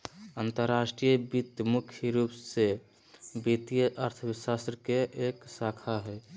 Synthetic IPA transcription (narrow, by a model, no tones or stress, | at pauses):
ənt̪əɾːasʈɾijəbit̪jəmukʰjiɾupse | bit̪ijəʔəɾt̪ʰəbsast̪ɾəkeʔeksakʰaɦɛ